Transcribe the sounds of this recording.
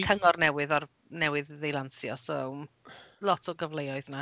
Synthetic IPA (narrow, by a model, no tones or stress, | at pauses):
kʰəŋɔrnɛwɪðɔr | nɛwɪððejlˠansjɔso | lˠɔtʰɔɡəvlejɔɨðna